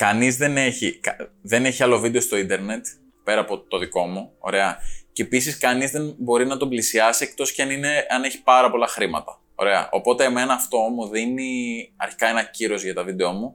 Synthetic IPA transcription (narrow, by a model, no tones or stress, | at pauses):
kɐnizðe̞ne̞çikɐðe̞ne̞çiɐlo̞vid̪est̪o̞ind̪e̞ɾne̞t̪ | pe̞ɾɐːpo̞t̪o̞ðiko̞muo̞̰ɾe̞ɐceepisiskɐnizðe̞nbo̞ɾinɐt̪oblisiɐsie̞k̚t̪o̞sceɐnine̞ɐne̞çi̥pɐɾɐpo̞lɐxɾimɐ̰t̪ɐ | o̞̰ɾe̞ɐ̰ʔo̞̰po̞t̪eːme̞nɐːft̪o̞muðiniɐ̰ɾçi̥kɐe̞nɐciɾo̞zʝɐt̪ɐvid̪e̞o̞mu